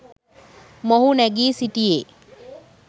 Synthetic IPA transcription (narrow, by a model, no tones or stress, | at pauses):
moɦunɛɡiːsiʈieː